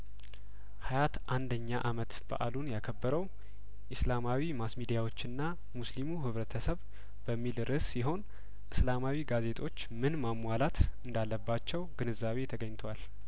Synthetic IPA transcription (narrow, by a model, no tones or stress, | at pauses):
hajat̪ʔand̪əɲːaʔamət̪b̥a̰ʔa̰lunjakʰəbːəɾəw | ʔɨslamawimasmid̪ijawo̞t͡ʃːɨnːa | muslimuɦɨβɾət̪ʰəsəβ | b̥əmːilɾɨsːiɦo̞n | ʔɨslamawiɡaze̞t̪ʰʼo̞t͡ʃːmɨnmamwalat̪ɨnd̪alːəbːat͡ʃːɛwɡ̥ɨnɨzaβe̞t̪ʰəɡəɲːt̪ʰwal